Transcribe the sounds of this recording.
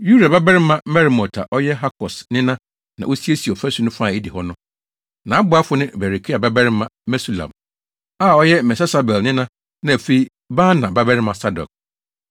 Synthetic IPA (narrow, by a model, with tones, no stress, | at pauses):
ju˦da˨ba˦bɛ˦ɾɪ˦mã˦mɛ˦ɾmɔ˨tʰa̰˨ʔɔ˦jɛ˦ɦa˦kʰɔ˨snɪ̃˦nã˦ | nã̰˨ʔo˦si˦e˦si˨ɔ˨fæ˦su˦nʊ̃˦fa˦˨e˦di˨hɔ˦nʊ̃˦ | nã˨˦bʊ˦a˦fʊ˦nɪ̃˦bɛ˨ɾi˨kʰi˦a˨ba˦bɛ˦ɾɪ˦mã˦mɛ˦su˨la̰˨m | a˦˨ɔ˦jɛ˦mɛ˨sɛ˦sa˨bɛ˨lnɪ̃˦nã˦ | nã˨æ˨fe˦˨i˦ | baː˦nã˨ba˦bɛ˦ɾɪ˦mã˨sa˦dɔ̰˨k̚